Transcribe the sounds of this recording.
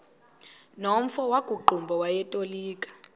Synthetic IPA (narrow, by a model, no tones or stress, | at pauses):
nom̩fɔwakuǃʱumbʱɔwajɛtʼoliːkʼḁ